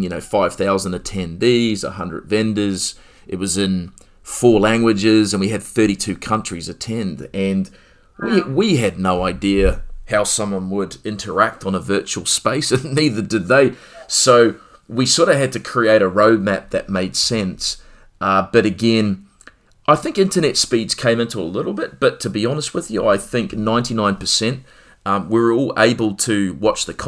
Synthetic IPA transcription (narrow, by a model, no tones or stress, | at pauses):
jɨnoʊfaɪv̥θaʊzə̃n̩dɨtʰɛ̃ndizə̰hʌ̃ndɹɨ̰dvɛ̃ndə˞z | ʔɨt̚wʌzɪ̃n | fɔɹlæ̃ŋɡwɨd͡ʒɪzɨ̃nwiɨd̪̥̚θɜ˞ɾitʰʉkʰʌ̃nt͡ʃɹ̥izɨtʰɛ̃ndɨ̃n | wiwiɨdⁿnoʊaɪdiɨhaʊsʌ̃mwʌ̃nwəɾɪ̃ntʰə˞æk̚tn̩əvɜ˞t͡ʃul̩ˠspeɪsɨ̃nniðə˞dɨd̪̚ðeɪ | soʊ | wisɔɹɾʌv̥ɨd̚tʰɨkʰɹ̥ieɪɾɨɹoʊd̚mæp̚ðɨ̰t̚meɪd̥sɛ̃ns | ʔʌb̥ʌɾɨɡɛ̃n | ʔaɪθɪ̃ŋkɪ̃ntə˞nɛtspidz̥kʰẽɪ̃mɪ̃ntʰuəlɪɾl̩ˠbɪt̚b̥ʌtʰɨbiɑnəst̚wɨðjɨaɪθɪ̃ŋknãɪ̃ntinãɪ̃npʰəsɛ̃nt | ʌwɪə˞ɔlˠḛɪbl̩ˠtʰɨwɑt͡ʃðɨkʰ